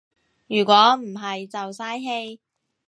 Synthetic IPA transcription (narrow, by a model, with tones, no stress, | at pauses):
jyː˨˩kʷɔː˨˥m̩˨˩ɦɐ˨jt͡sɐ˨wsaː˥jɦe˧j